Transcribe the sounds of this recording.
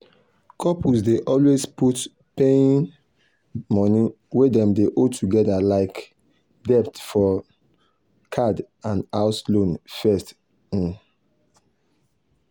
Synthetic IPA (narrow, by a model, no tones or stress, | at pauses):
kʰɔpusdeʔɔlwesput | pẽn | mɔni | wedɛ̃mdeʔotʰuɡɛdalaɪk | dɛp̚tfɔ | kʰad | ãnaʊslõnfɛst̩